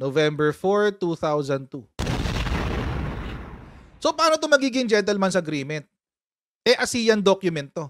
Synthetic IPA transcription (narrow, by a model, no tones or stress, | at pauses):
novɛmbɛɹfoɹt̪uθawzɐnd̪̚t̪u | sopaːnot̪omɐɡiːɡɪŋd͡ʒɛnt̪ɛlmansɐɐɡɾiːmɛnt̪̚ | ʔɛʔɐsiːjɐnd̪okjʊmɛnt̪ːo̞